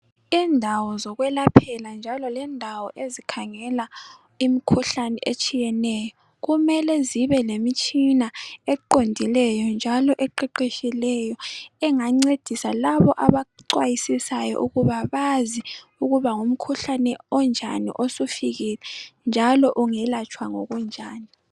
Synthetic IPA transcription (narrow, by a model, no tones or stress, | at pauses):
indʱawɔzɔɣwɛlapʰɛland͡ʒʱalɔlɛndʱawɔʔezikʰaŋɛla | imikʰuɬanɛʔet͡ʃʼijɛnɛjɔ | ɣumɛlɛziβɛlemit͡ʃʼinaɛǃondʱilɛjɔnd͡ʒʱalɔʔɛǃɛǃeʃilɛjɔɛŋaŋ͡ǀed̥ʱisalaβɔʔaβaǀwajisisajɔ̰ʔuɣuβaβazi | uɣuβaŋum̩kʰuɬanɛɔnd͡ʒʱa̰nḭʔosufiɣilɛnd͡ʒʱalɔʔuŋɛlat͡ʃʼwaŋɔ̰ɣund͡ʒʱaːni